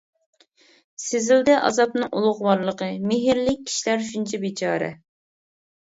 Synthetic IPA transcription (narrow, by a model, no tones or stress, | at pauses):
sɪzɪld̪ɛʔɑ̰zɑp̚nɨŋʔulˠʊʁwɑɾlˠəqəmɪɦɪɾlɪk̚ʲʰːi̥ʃilæɾʃunt͡ʃʰɛbit͡ʃʰɑːɾɛ̰